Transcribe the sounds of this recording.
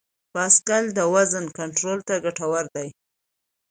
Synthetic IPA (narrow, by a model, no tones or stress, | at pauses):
pɑskald̪əwazənkaɳʈɾolt̪aɡaʈawaɾd̪aj